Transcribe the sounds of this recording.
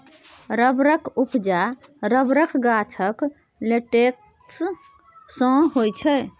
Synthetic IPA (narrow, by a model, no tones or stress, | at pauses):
ɾəbɾəkʰupʰd͡ʒaɾəbɾəkʰɡat͡ʃʰək | leʈek̚ | s | sə̃ɦojt͡ʃʰə